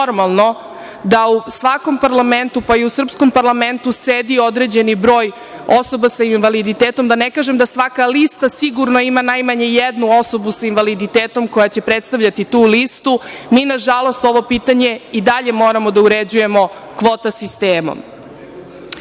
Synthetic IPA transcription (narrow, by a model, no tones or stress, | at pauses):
oɾmalˠno̞ | d̪ausʋako̞mpaɾlament̪upaiusr̩psko̞mpaɾlame̞nt̪used̪io̞d̪ɾed͡ʑe̞nibɾo̞ːj | o̞so̞basainʋalid̪it̪eːt̪omd̪anekaːʒemd̪asʋakalist̪asiɡuɾno̞imanajmaɲe̞jed̪nuo̞so̞busainʋalid̪it̪eːt̪o̞mko̞jat͡ɕe̞pɾet̪st̪aʋʎat̪it̪uːlist̪umiːnaʒalost̪o̞ʋo̞piːt̪aɲe̞id̪aʎe̞mo̞ːɾamo̞d̪auɾed͡ʑuje̞mo̞ | kʋo̞t̪asist̪eːmo̰m